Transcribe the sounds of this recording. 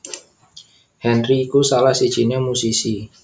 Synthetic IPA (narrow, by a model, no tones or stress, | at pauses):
hɛnriːkusalahsid̥ʒ̥i̤namusisi